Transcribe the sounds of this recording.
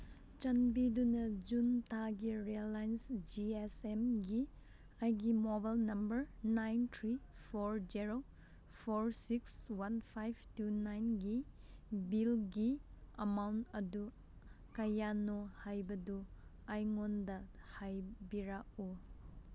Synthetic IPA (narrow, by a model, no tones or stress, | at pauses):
t͡ʃɐnbidunɐd͡ʒuntʰaɡiɾelːajnsd͡ʒiesemɡi | ajɡimobalnɐmbɐɾnajntʰɾipʰoɾd͡ʒiɾo | pʰoɾsikswanpʰajp̚ʰtunajnɡi | bilɡiɐmawntɐdu | kɐjanohajbɐdu | ajŋondɐhajbiɾak̚u